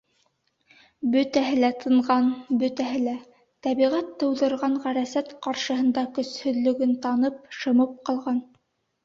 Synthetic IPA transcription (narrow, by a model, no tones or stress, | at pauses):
bɵ̆t̪æɦɘlæt̪ʰɤ̆ɴʁɑnbɵ̆t̪æɦɘlæ | t̪æβiʁæt̪ːɤ̆wðɤ̆ɾʁɑɴʁæɾæsæt̪qɑɾʃɤ̆ɦɤ̆nd̪ɑkɵ̆shɵ̆ðlɵ̆ɡɘnt̪ɑnɤp̚ʃɤ̆mɤp̚qɑlˠʁɑn